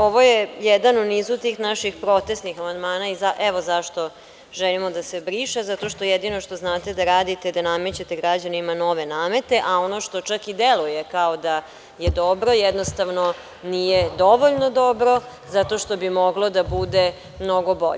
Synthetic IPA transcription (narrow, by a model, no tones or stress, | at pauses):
o̞ʋojejɛd̪anuniːzut̪iːxnaʃixpɾo̞t̪esnixamand̪maːnaizaʔɛʋo̞zaʃt̪o̞ | ʒɛlimo̞d̪ase̞bɾiːʃezat̪o̞ʃt̪o̞jɛd̪ino̞ʃt̪o̞znaːt̪e̞d̪aɾaːd̪it̪ed̪anamet͡ɕet̪eɡɾad͡ʑanimano̞ʋe̞naːme̞t̪e̞ʔao̞noʃt̪o̞t͡ʃakid̪eluje̞kaod̪a | jed̪obɾo̞jɛd̪nost̪aʋno | nijed̪o̞ʋoʎnod̪o̞bɾo̞ | zat̪o̞ʃt̪o̞bimoɡlˠo̞d̪abud̪e | mno̞ɡo̞bo̞̰ʎe